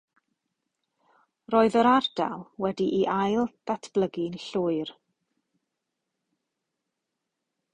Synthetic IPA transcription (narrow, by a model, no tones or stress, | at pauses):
roːɨðəɾard̥a̰lˠwɛdiʔiʔajlˠd̥atʰb̥lˠəɡɪnɬʊɨr